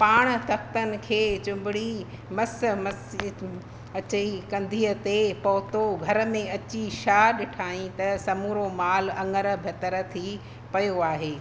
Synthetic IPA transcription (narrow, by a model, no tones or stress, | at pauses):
paːɽ̃̆t̪ʰɐkt̪ənɪ̆kʰeːt͡ɕʊ̃mbɪɽi | mɐs̆mɐs | ɐt͡ɕikɐ̃nd̪ʱiːə̆t̪epɐɦʊt̪oɡʱɐɾə̆mẽɐt͡ɕiʃaːɗɪʈʰaːĩt̪ɐsɐmuːɾomaːlɐ̃ŋɡəɾə̆bʱɐt̪əɾət̪ʰi | pɐjoaːɦeː